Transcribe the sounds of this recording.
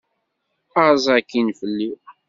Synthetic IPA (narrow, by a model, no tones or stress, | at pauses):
əzˤækːinfəlːi